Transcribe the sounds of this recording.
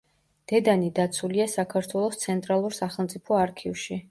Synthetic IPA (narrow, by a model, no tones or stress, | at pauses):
d̪̥ɛd̪anid̪at̪sʰuliasakʰaɾt̪ʰwɛlˠɔst̪sʰɛnt̪ʼɾalˠuɾsaχɛlˠmt̪sʼipʰɔaɾkʰivʃi